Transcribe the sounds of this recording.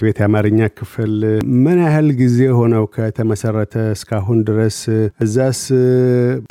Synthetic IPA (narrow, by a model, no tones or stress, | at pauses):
be̞t̪jamaɾɨɲːakʰɨfɨlmɨnahɨlɡize̞ho̞nəwkʰət̪ʰəməsərːət̪ʰəɨskʰaɦund̪ɨɾəsʔɨzːas